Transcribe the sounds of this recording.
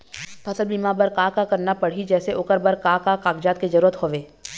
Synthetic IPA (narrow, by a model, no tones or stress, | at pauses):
fʰɐsəlbiːmaːbɐɾkaːkakɐɾnapɐɽ̤id͡ʒɛːseʔʊkəɾbɐɾkaːkakaːkd͡ʒaːt̪̚kezɐɾuːɾət̪ɦoːʋeː